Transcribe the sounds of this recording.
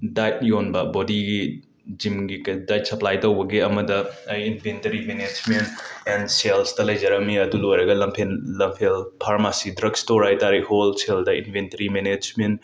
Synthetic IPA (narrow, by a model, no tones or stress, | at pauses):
dajt̚jonbɐbodiɡi | d͡ʒimɡikdajt̚sɐplajtɐwbɐɡeɐmɐdɐɐjinbʰentɐɾimened͡ʒmentenselstɐlɐjd͡ʒɐɾɐmiɐdulojɾɐɡɐlɐmpʰenːɐmpʰelpʰaɾmasidɾɐɡstoɾajtaɾiholseldɐḭnpʰentɐɾimened͡ʒment